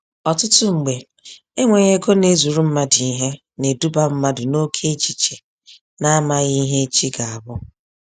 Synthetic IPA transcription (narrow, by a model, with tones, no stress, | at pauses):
ɔ˨tʊ˦tʊ˦ŋ͡m̩˨ɡ͡be˨ | e˦ŋʷe˨ɲe˦ɡo˦ne˦zu˨ɾu˦m̩˦ma˦dɪ˨i˦ɦe˦ | ne˨du˦ba˦m̩˦ma˦dʊ˨no˦kʰe˦t͡ʃi˨t͡ʃe˨ | na˦ma˦ɣi˦ɦe˦t͡ʃi˦ɡa˨a˨bʊ˦